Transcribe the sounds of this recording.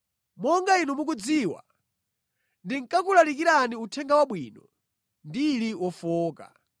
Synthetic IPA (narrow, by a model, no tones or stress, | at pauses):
mɔŋɡainumuk̬ud͡ziːwa̰ | ndiŋkakulalikiɾaniutʰɛŋɡawaɓwiːnɔ | ndiliwɔfɔːka̰